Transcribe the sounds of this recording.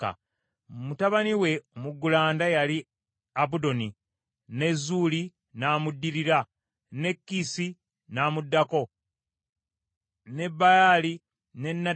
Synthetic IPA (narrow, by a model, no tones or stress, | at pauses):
a̰ | mutaβaniwe̞omuɡːulaːndajali | abudo̞ni | ne̞zːuːli | naːmudːiɾiɾa | ne̞kːisi | naːmudːako̞ | ne̞bːajaːli | ne̞nːa